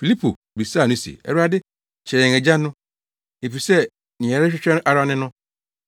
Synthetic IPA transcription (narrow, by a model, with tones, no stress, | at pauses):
fi˨li˦pʰṵ˨ | bi˨sa˦˨nɪ̃˦sḭ˨ɛ̰˦a˦dɪ˦ | t͡ɕʰɛ˨ɾɛ̃˨ŋɛ˨d͡ʑã˦nʊ̃˦ | e˨pi˨sɛ˦ | nɪ̃˨ɛ˨ɾɪ˦ɕᶣɪ˦t͡ɕᶣɛ̃˦ʔa˨ɾa˦nɪ̃˦nʊ̃˦